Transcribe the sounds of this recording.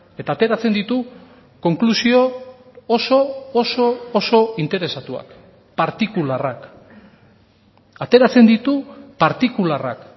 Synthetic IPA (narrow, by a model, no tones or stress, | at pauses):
e̞t̪aːt̪e̞ɾat͡se̞nd̪it̪u | ko̞ŋklusio̞ː | so̞ːso̞ːso̞int̪e̞ɾe̞sat̪ua̰k | paɾt̪ikularak | at̪e̞ɾat͡se̞nd̪it̪upaɾt̪ikulara̰k